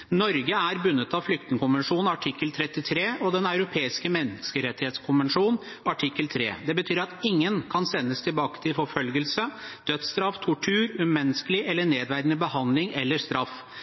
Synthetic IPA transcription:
nɔɾɡəæɾbʉnːət̪ɑʋflʏk̚t̪ɪŋəkʰʊnʋɛnʂuːnn̩ɑʈʰɪkːəlt̪ʰɾɛt̪ːɪt̪ʰɾeːʔɔd̪ɛnɑʉɾʊpʰeːɪskəmɛnɪskəɾɛt̪ːɪheːt̪skʰʊnʋɛnʂuːn | ɑʈʰɪkːəlt̪ʰɾḛːd̪ɛbət̪ʰyːɾɑt̪ɪŋːənkʰɑnsɛnːəst̪ʰɪlbɑːkə̥t̪ʰɪlfɔɾfœlɡəlsəd̪̥œt̪st̪ɾɑft̪ʰʊʈʰʉːɾʉmmɛnːəskəlɪʔɛlːəɳeːd̪ʋæɾd̪ənəbəhɑnd̪lɪŋɛlːəst̪ɾɑf

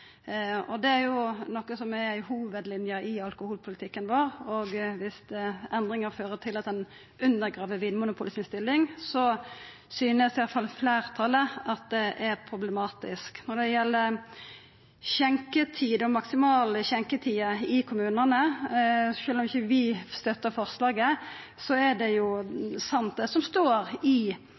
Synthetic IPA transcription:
ɔd̪ɛæɾjʊnɔkːəsɔmæɾhuːʋəd̪lɪnjəʔɪɑlkʊhuːlpʰʊlɪt̪ʰɪkːənʋoːɾɔɡʋɪsd̪ɛɛnd̪ɾɪŋəɾføːɾət̪ʰɪlɑt̪ɛn | ʔʉnd̪əɾɡʁɑːʋəʋɪnmʊnʊpʰʊlɪsɪnst̪ɪlːɪŋsɔ | syːnəsɛɑlfɑlfleːɾt̪ʰɑlːəɑt̪̚d̪ɛʔæɾpʰɾʊblɛmɑːt̪ɪsknɔd̪ɛjɛlːə | çɛŋkət̪ʰiːd̪ɔmɑksɪmɑːləçɛŋkət̪ʰiːəɪkʰʊmʉːnənə | ʃøːlɔmɪçːəʋɪst̪œt̪ːəfɔʁslɑːɡə | sɔæɖɛjʊsɑnt̪̚d̪ɛsɔmst̪oːɾɪ

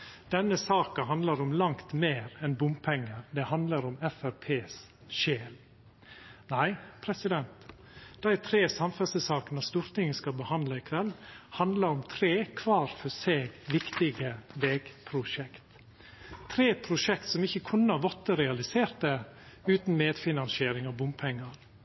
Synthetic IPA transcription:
d̪̥ɛnːəsɑːkɑhɑnd̪lɑɾɔmlɑŋkt̪meːɾɛnbʊmpʰɛŋːəɾd̪ɛhɑnd̪ləɾɔmɛfæɾpʰeːs | ʃeːl | næɪpʰɾɛsɪd̪ɛnt̪ | d̪̥æɪt̪ʰɾeːsɑmfɛsəsɑːkənɑst̪uːɾt̪ɪŋːəskɑbəhɑnd̪lɑɪkʰʋɛlːhɑnd̪ləɾɔmt̪ʰɾeːkʰʋɑːɾfɔseːɡʋɪkt̪ɪɡəʋeːɡpʰɾʊʂɛkt̪ | t̪ʰɾeːpʰɾʊʂɛkt̪sɔmɪçːəkʰʊnːəɑʋɔt̪ːəɾɛɑlɪseːɾt̪̚ɛʉːt̪n̩meːd̪fɪnɑnsɪeːɾɪŋɑbʊmpʰɛŋːəɾ

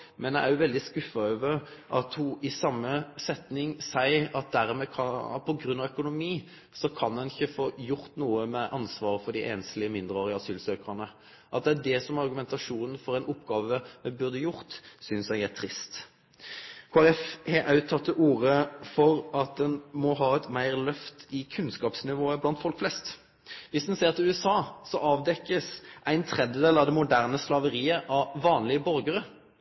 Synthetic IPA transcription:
mɛnæɪʔæʁjʊʋɛld̪ɪskʉfɑøːʋəʔɑt̪hʊʔɪsɑmːəsɛt̪nɪŋsæɪɑt̪̚d̪æɾmɛkʰɑpʰɔɡɾʉnːɑʋœkʊnʊmiː | sɔkʰɑnɛnɪçːəfoːjʊɾt̪nuːəmɛʔɑnsʋɑːʁəfɔd̪ɪʔɛːnslɪəmɪnd̪ʁəoːʁɪəɑsyːlsøːkəʁənə | ʔɑt̪̚d̪ɛæd̪ɛsɔmɑʁɡʉmɛnt̪ɑʂuːnən̩fɔɾɛnʊpːɡɑːʋəmɛbʉɾd̪əjʊʁt̪sʏnsæɪɡæʁt̪ʰʁɪst̪ | kʰoːæʁɛfhɛʔɑʉt̪ʰːɑt̪ʰːəʔuːʁəfɔʁɑt̪̚d̪ɛnmɔɦɑːɛt̪mæɪʁlœft̪ɪkʰʉnskɑːpsnɪʋoːəblɑnt̪fɔlkflɛst̪ | ʋɪsd̪ɛnseːʁt̪ʰɪlʉːɛsɑːsɔʔɑːʋd̪ɛkːəsʔæɪnt̪ʰʁɛd̪jəd̪eːlɑʋd̪ɛmʊd̪æʁnəslɑʋəʁiːəʔɑʋɑːnlɪəbɔɾɡəʁə

